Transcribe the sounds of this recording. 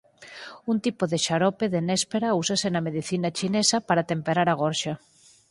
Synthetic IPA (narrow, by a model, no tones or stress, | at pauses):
unt̪ipoðeʃaɾɔpeðenɛspeɾausasenɐmeðiθinat͡ʃinesapaɾat̪empeɾaɾaɣ̞ɔɾʃa